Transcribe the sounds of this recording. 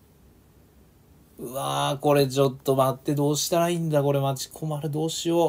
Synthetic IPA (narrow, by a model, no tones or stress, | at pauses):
ɯ̟ako̞ɾe̞t͡ɕo̞t̪ːo̞mat̪ːe̞d̪o̞ːɕi̥t̪aɾaĩnd̪ako̞ɾe̞mat͡ɕi̥kʰo̞maɾɯ̟d̪o̞ːɕijo̞